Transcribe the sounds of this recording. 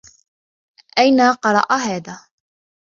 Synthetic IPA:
ʔajnaqɑɾˤɑ̰ʔaɦaːðaː

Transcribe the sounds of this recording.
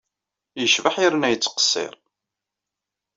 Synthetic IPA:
jəʃvəħiɾənæjət͡sːqə̥sːɪ̰ɾˤ

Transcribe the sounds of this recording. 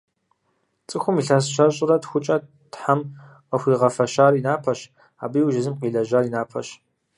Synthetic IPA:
t͡sʼɨxʷʊmiɬasʃɐɕʼɪrɐtxʷʊt͡ʃʼɐ | tħam | qəxʷiːʁɐfɐʃaːrinaːpʰɐɕ | a̰ːbijwʒɪzɨmqiːɮɐʒaːrinaːpʰɐ̰ɕ

